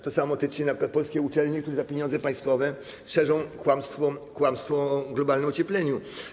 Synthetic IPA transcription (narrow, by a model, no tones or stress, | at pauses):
t̪ɔsamɔɔt̪ɘt͡ʂɲɛnapʂɨkwat̪pɔlskʲɛut͡ʂɛlɲikt̪uɾɛzapʲjeɲɔnd̪zɛpaj̃st̪fɔvɛ | ʂɛʐɔ̃w̃kwamst̪fɔkwamst̪fɔɡlɔbalnɛmɔt͡ɕɛplɛɲu